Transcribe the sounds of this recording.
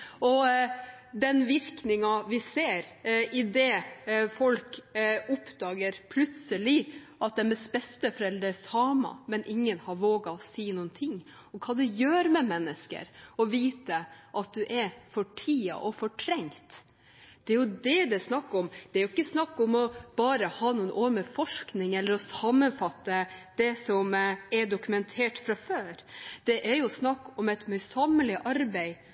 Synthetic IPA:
ɔ | d̪ɛnʋɪɾknɪŋɑʋɪseːɾʔɪd̪ɛːfɔlkʊpd̪̥ɑːɡəɾpʰlʉt̪səlɪ | ʔɑt̪̚d̪ɛnmɛsbɛst̪əfɔɾɛld̪ɾəsɑːmɑ̰mɛnʔɪŋːənhɑɾʋoːɡɑɔsiːnuːənt̪ʰɪŋː | ɔkʰɑːd̪ɛjøːɾmɛmɛnːəskə̰ɾɔʋiːt̪əʔɑt̪̚d̪ʉʔɛɾfɔʈʰiːɑ̰ʔɔfɔʈʰɾɛŋt̪ | d̪̥ɛæɾjʊd̪ɛd̪ɛsnɑkːɔmd̪̥ɛæɾjʊɪkːəsnɑkːɔmɔb̥ɑːɾəhɑːnuːənʔoːɾməfɔʂknɪŋɛlːəɾɔsɑmənfɑt̪ːəd̪̥ɛsɔmɛɖʊkʉmɛnt̪ʰeːʈfɾɑføːɾd̪̥ɛʔæɾjʊsnɑkːɔmɛt̪mœʏsɑməlɪʔɑɾbæɪ

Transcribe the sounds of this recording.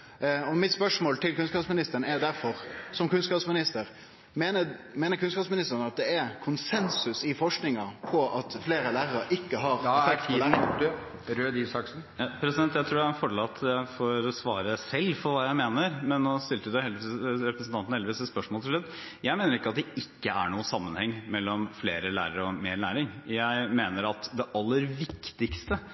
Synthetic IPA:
ɔmɪt̪spœʂmoːlt̪ʰɪlkʰʉnskɑːpsmɪnɪst̪əɾənɛɾd̪æɾfɔɾsɔmkʉnskɑːpsmɪnɪst̪əɾ | menəmeːnəɾkʰʉnskɑːpsmɪnɪst̪əɾənɑt̪̚d̪ɛæɾkʰʊnsɛnsʉsɪfɔʂknɪŋɑpʰɔʔɑt̪fleːɾəlæːɾəɾɑɾʔɪkːəɦɑɾfɛkt̪ʰɔæ | ɾøːd̪isɑksn̩jɑpʰɾɛsɪd̪ɛnt̪jæɪt̪ʰɾuːɖæfɔɖɭɑt̪ʰːjæɪfɔɾɔsʋɑːɾəsɛlːfɔɾʋɑːjæɪmeːnəɾmɛnːɔst̪ɪlt̪əd̪ʉhɛld̪ɾɛpɾəsn̩t̪ɑnnəɛlɪʋiːsɛt̪spœʂmoːlt̪ʰɪlʉt̪ | jæɪmeːnəɾɪkːəɑt̪̚d̪ɛɪkːəæɳuːəsɑmːənhɛŋːmɛlːɔmfleːɾəlæ̰ːɾəɾɔmeːɾɭæːɾɪŋjæɪmeːnəɾɑt̪d̪ɛʔɑlːəɾʋɪkt̪ɪkst̪ə

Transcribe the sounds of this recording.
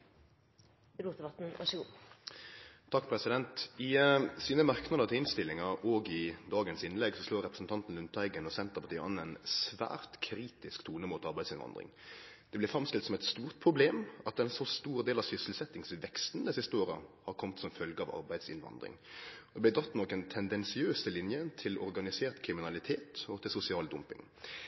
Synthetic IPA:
ɾuːəbɑt̪n̩ɑ̰ʃu | t̪ʰɑkːpʰɾɛsɪd̪ɛnt̪ɪsiːnəmɑʁknɑd̪əɾt̪ʰɪɪnst̪ɪlːɪŋɑɾoːɡɪd̪ɑːɡənsɪnlɛɡsɔsloːɾɛpɾəsn̩t̪ʰɑnt̪n̩lʉnt̪æɪɡənɔsɛnt̪əpʰɑt̪ʰiːɔ̰nːɛnsʋæ̰ːɾt̪kʰɾiːt̪ɪskt̪ʰuːnəmuːt̪ɑɾbæɪsɪnʋɑ̰nd̪ʁɪ̰ŋd̪̥ɛblɪfɾɑmst̪ɪlt̪sɔmɛt̪st̪uːʁt̪̚pʰɾʊbleːmɑt̪ɛnsɔst̪uːʁd̪eːlɑʋsʏsəlsɛt̪ːɪŋsʋɛkst̪nd̪ɛsɪst̪əoːɾə̰hɑɾkʰɔmt̪sɔmfœlɡəɑʋɑ̰ɾbæɪd̪sɪnʋɑ̰nd̪ɾɪ̰ŋd̪ɛb̪ɪd̪ɑt̪ːnɔkɛnt̪ʰɛnd̪ɛnsɪøːsəlɪnjət̪ʰɪlɔɾɡɑnɪseːɾt̪kʰɾɪmɪnɑlɪt̪ʰeːt̪ɔt̪ʰɪlsʊsɪɑːld̪ʊmpɪ̰ŋ

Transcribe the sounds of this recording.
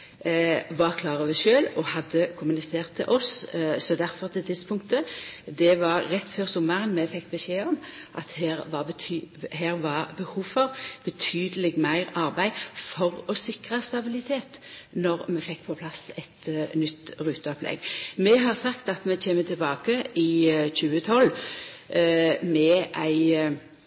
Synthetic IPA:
ʋɑʁkʰlɑːʁəʋɛʃøːlɔhɑd̪ːəkʰʊmʉnɪseːʁt̪ʰːɪ̰lʔɔssɔd̪æɾfɔʁt̪ʰɪlt̪ʰɪd̪spʰʊŋkt̪əd̪ɛʋɑɾɾɛt̪ːføːʁsɔmːəʁənmɛfɛkːbəʃeːɔmʔɑt̪hæːʁʋɑ | hæːʁʋɑʁbəhuːfɔʁb̥ət̪ʰyːd̪əlɪɡmæɪʁɑʁbæɪfɔʁɔsɪkʁɑst̪ɑbɪlɪt̪ʰeːt̪nɔʁmɛfɛkːpʰɔpʰlɑsɛt̪nʏt̪ːʁʉːt̪əɔplɛ̰ɡmɛɦɑʁsɑkt̪ɑt̪mɛçeːmət̪ʰɪlbɑːkəɪçʉːət̪ʰɔlː | mɛʔæɪ

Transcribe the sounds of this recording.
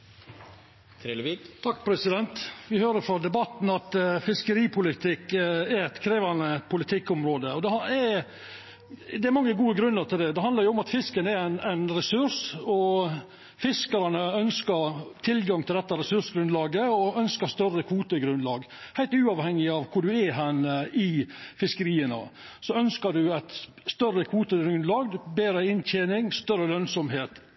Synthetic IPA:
t̪ʰɑkːpʰɾɛsɪd̪ɛnt̪ʋɪhøːɾəɾfɔd̪ɛbɑt̪ːn̩ɑt̪fɪskəɾiːpʰʊlɪt̪ʰɪkːɛɾɛt̪kʰɾeːʋɑnəpʰʊlɪt̪ʰɪkːɔmɾoːd̪əɔd̪ɛɑɛ | d̪ɛæɾmɑŋːəɡuːəɡɾʉnːəɾt̪ʰɪld̪ɛd̪ɛɑnd̪ɑɾjʊɔmɑt̪fɪskənɛɾæɪnæɪnɾɛsʉɾʂɔ | fɪskəɾɑnəœnskəɾt̪ʰɪlɡɑŋt̪ʰɪld̪ɛt̪ːəɾɛsʉʂɡɾʉnlɑːɡəɔœnskəst̪œrəkʰʋuːt̪əɡɾʉnlɑːɡ | hæɪlt̪ʉːɑʋhɛŋːɪɑʋkʰʊɖʉɛɦænəɪfɪskəɾiːənə̰ | sɔœnskəɖʉæɪt̪ | st̪œrːəkʰʋuːt̪əɡɾʉnlɑːɡbeːɾəɪnt̪ʰeːnɪŋst̪œɾəlœnsɔmɦeːt̪

